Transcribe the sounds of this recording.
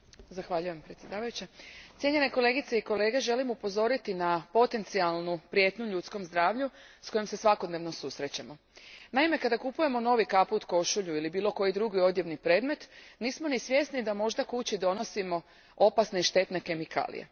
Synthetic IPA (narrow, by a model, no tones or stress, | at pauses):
zaxʋaʎuje̞mpɾet̪sje̞d̪aːʋajut͡ɕat̪ʲje̞ɲe̞neko̞le̞ɡit̪se̞iko̞le̞ɡe̞ʒe̞limupo̞zo̞ɾit̪inapo̞t̪e̞nt̪sialˠnupɾije̞t̪nuʎut̪sko̞mzd̪ɾaːʋʎu | sko̞jomse̞sʋako̞d̪neʋno̞susɾe̞t͡ɕamo̞ | naime̞kad̪akupuje̞mo̞no̞ʋikapuut̪ko̞ʃuʎuilibiːlˠo̞ko̞jid̪ɾuɡio̞d̪jeʋnipɾe̞d̪me̞t̪niːsmo̞nisʋje̞st̪nid̪amo̞ʒd̪akut͡ɕid̪o̞no̞simo̞ | o̞pasneʃt̪e̞t̪ne̞ke̞mikʰa̰ːlḭjḛ